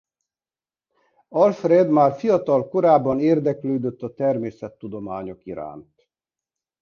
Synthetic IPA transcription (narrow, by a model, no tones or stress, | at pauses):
ɒlfred̪maːrfijɒt̪ɒlko̞ɾaːbːɒneːrd̪ɛkløːd̪øt̪ːɒt̪ɛrmeːsɛt̪ːud̪o̞maːɲo̞kiɾa̰ːnt̪